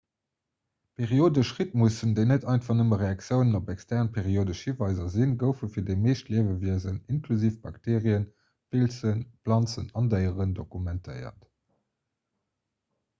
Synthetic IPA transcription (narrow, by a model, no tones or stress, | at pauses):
pʰeʁioːdəʃʁit̚musəndəɪnətɑˑɪntfɑʁnəməʁeɑkt͡sjəʊnənopækstɛʁnpʰeʁioːdəʃhivɑɪzɐzinɡəʊfəfiːɐdəɪmeːʃtliəvəviəzəninkʰluziːfb̥ɑktʰeːʁiən | pʰilt͡sənplɑnt͡sənɑndəɪəʁəndokumɛntʰəɪɐ̰t